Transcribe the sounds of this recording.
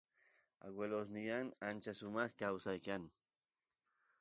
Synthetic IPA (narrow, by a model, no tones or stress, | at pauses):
a̰ɡwelos̬nɪjaŋant͡ʃasʊmɑχkawsajkaŋ